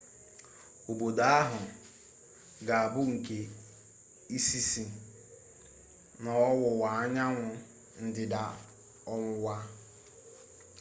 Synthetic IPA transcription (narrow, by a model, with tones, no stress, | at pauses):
o˨bo˨da˦a˦ɦʊ˨ | ɡa˨a˨bʊ˦ŋ̩˨ke˨ | i˦si˦si˨ | nɔ˨ɔ˦wʊ˨wa˨a˦ɲa˦ŋʷʊ˨ | n̩˦dɪ˨da˨ | ɔ˦ŋʷʊ˦wa˦